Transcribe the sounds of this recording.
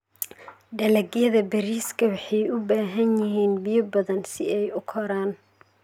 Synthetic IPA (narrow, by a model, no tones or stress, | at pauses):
ɖɐlɐɡjɐðɐbɐɾiːskʰɐwɑħɑjʊbaːɦɐnjɪɦiːnbijɔbɐðɐnsɪɛjʊkʰɔɾaːn